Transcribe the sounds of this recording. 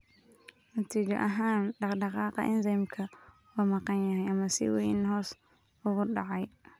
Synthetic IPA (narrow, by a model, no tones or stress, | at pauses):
nɐt̪ʰiːd͡ʒɐ̰ʔɐɦaːnɖɑqɖɑqɑːqɑ̰ʔɪnsɛmkʰɐ | wɐmɑqɑnjɐɦɛjɐmɐsɪ̰wɛ̰jnhɔːs | ʊɣʊɖɑ̰ʕɑj